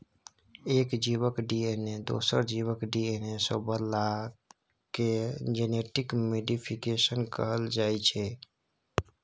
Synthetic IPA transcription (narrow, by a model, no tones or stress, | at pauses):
eːkd͡ʒibəkɖiened̪o̰ːsəɾd͡ʒiwəkɖienesobəɾla | ked͡ʒeneʈikmeɖipʰikesənkəɦəld͡ʒaːjt͡ʃʰɛ